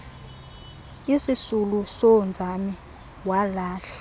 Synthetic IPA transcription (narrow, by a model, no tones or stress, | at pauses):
isisulusond͡zʱami | walaːɬḁ